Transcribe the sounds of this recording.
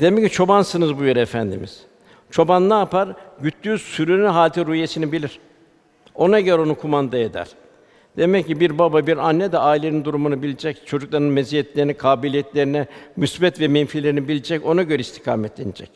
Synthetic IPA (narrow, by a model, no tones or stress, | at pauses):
d̪̥emɛcːit͡ʃʰo̞bansɯnɯzbujeɾɛːfænd̪ḭmḭz̥ | t͡ʃʰo̞banlˠaːpaɾɟyt̪lʲysyɾynynɦaːlʲt̪ʰiɾujesinibilʲiɾ̥ | o̞naɟø̞ɾɛo̞nukʰumand̪aed̪æ̰ɾ̥ | d̪̥e̞mɛcːibiɾbababiɾanːɛd̪ɛaːilʲe̞nind̪uɾumunɯbilʲid͡ʒɛct͡ʃʰo̞d͡ʒuklˠaɾɯnmezijɛt̪lʲe̞ɾinɛkʰaːbilʲijɛt̪lʲe̞ɾinɛmysbɛt̪vɛmɛnfilʲe̞ɾinibilʲid͡ʒɛco̞naɟø̞ɾɛist̪ʰi̥kʰa̰ːmɛt̪lʲenid͡ʒɛ̰c